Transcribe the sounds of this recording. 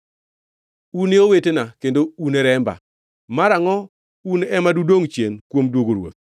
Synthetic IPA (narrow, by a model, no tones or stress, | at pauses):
uneowetenakendounɛɾɛmba̰ | maɾaŋɔ | unɛmadudoŋt͡ʃjenkwomdwoɡoɾwo̰t̪̚